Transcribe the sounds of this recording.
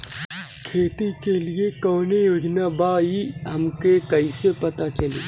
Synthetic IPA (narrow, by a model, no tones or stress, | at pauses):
kʰeːt̪ikeliekɔːnejoːd͡ʒnabaːiɦɐmkekɐisepɐt̪at͡ʃɐlḛː